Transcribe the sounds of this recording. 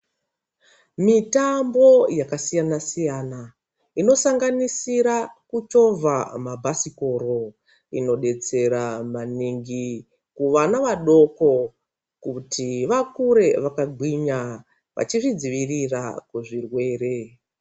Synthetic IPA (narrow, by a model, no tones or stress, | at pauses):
mitambo̞jakasijanasijana | ino̞saŋɡanisiɾakut͡ʃo̞vʱamabʱasiko̞ɾo̞ | ḭno̞ɗe̞t͡se̞ɾamaniŋɡi | kuʋanaʋaɗo̞ko̞ | kutʰiʋakuɾe̞ʋakaɡʱwiɲa | ʋa̰t͡ʃiʐid͡ziʋirirakuʐirwe̞ːre̞